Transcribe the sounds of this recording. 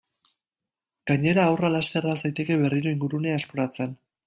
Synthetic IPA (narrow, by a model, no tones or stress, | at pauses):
ɡ̥aɲe̞ɾaːwralast̪e̞rasajt̪e̞ke̞βe̞riɾo̞iŋɡuɾune̞aespoɾat͡se̞n